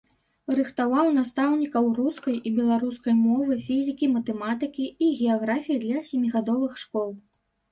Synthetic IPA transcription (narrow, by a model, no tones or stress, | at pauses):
rɨxt̪avawn̪ast̪awnʲikɐwruskɐjʔibʲɛlˠaɾuskɐjmɔvɨfʲizʲikʲimɐt̪ɛmat̪ɨkʲiːɣʲɛaɣɾafʲijid̪lʲɐsʲɛmʲiɣad̪ɔvɨxʂkɔlˠ